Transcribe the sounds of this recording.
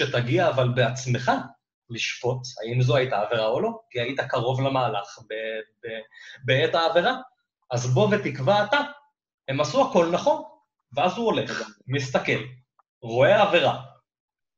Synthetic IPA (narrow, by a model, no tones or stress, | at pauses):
ʃe̞t̪aɡiaːvalbe̞at͡sme̞χa | liʃfo̞tha̰imzoait̪aːve̞ʁao̞lo̞kiait̪akaʁo̞vlamaːlaχbebebeetaːve̞ʁa | azbo̞ve̞t̪ikvaːt̪a | he̞masuako̞lnaχo̞n | veazuole̞χmist̪ake̞l | ʁo̞eave̞ʁa